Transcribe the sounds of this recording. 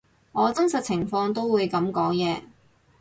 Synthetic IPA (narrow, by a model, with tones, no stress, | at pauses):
ŋɔː˨˧t͡sɐ˥nsɐ˨t̚t͡sʰɪ˨˩ŋfɔː˧ŋt̪o˥wwuː˨˧jkɐ˨˧˥mkɔː˨˥ŋjɛː˨˧